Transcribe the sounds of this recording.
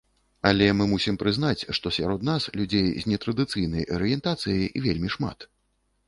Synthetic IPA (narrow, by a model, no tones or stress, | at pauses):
alʲɛmɨmusʲimpɾɨznat͡sʲʂt̪ɔsʲa̰ɾɔt̪naslʲud͡zʲejzʲnʲɛt̪ɾɐd̪ɨt̪sɨjnɐjɐɾɨjɛnt̪at̪sɨjiivʲelʲmʲiʂma̰t̪